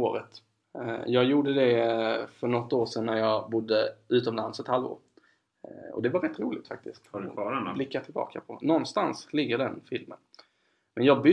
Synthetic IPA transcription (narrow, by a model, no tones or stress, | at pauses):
oːɾət̪ | jɑːɡjuːɖəd̪ɛfœɳɔt̪ːoːʂɛnːæɾjɑːɡbʊd̪ːəʉ̟ːt̪ɔmlansɛt̪halvo̰ːɾ | ɔ̰d̪ɛvaɾɛt̪ːɾuːlɪɡt̪fak̚t̪ɪsk̪ɔblɪkːat̪ʰɪlbɑ̰ːkapʰɔnɔnst̪anslɪɡːəɖɛnfɪlmə̰n | mɛnjɑːɡbʏ